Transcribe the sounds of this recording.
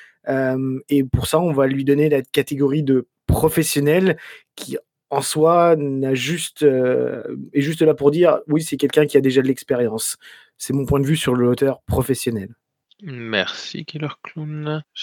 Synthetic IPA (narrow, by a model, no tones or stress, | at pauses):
ømepuʁsaɔ̃valɥid̪ɔnelakat̪eɡɔʁid̪ə | pχɔfɛsjɔnɛlkʲi | ɑ̃swanaʒyst̪ø | ɛʒys̬t̪əlapuʁd̪iʁwisɛkʲɛlkʲɛ̃kʲiad̪eʒad̪əlɛkspeʁjɑ̃sː | ɛmɔ̃pwɛ̃d̪əvysyʁləot̪œʁpχɔfɛsjɔnɛl | mɛ̰ʁsḭkilœʁklum